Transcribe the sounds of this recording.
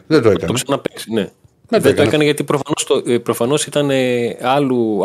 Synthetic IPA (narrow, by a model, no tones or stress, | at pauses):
ðet̪oekɐoksɐnɐpeksine̞ | ðeoekɐneʝɐt̪ipɾofɐnost̪opɾofɐno̞sit̪ɐne̞ɐlu